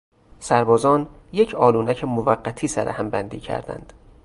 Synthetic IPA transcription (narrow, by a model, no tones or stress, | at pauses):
sæɾbɒːzɒːn | je̞cʰɒːluːnæcʰemovæɢːæt̪ʰiːsæɾʔehæmbænd̪ḭːcʰæ̰ɾd̪æ̰nd̪̥